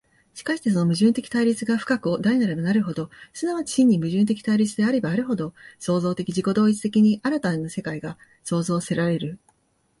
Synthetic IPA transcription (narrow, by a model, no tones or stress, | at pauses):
ɕi̥kaɕi̥t̪e̞s̬o̞no̞mɯ̟ʑɨ̃nt̪e̞kʲi̥t̪aiɾʲit͡sɨɡaɸɯ̟̥kakɯ̟od̪aɾinaɾamonaɾɯ̟ɦo̞d̪o̞sɨnaβat͡ɕi̥ɕĩɲ̟ːimɯ̟ʑɨ̃nt̪e̞kʲi̥t̪aiɾʲit͡sɨd̪e̞aɾe̞baːɾɯ̟ɦo̞d̪o̞so̞ːzo̞ːt̪e̞kʲiʑiko̞d̪o̞ːit͡sɨ̥t̪e̞kʲiɲ̟iʔaɾat̪aneno̞se̞kaiɡa | so̞ːzo̞ːse̞ɾaɾe̞ɾɯ̟